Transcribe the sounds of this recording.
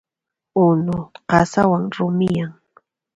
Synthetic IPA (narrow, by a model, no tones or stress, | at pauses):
ʊnʊqɑsawaŋɾʊmɪjaŋ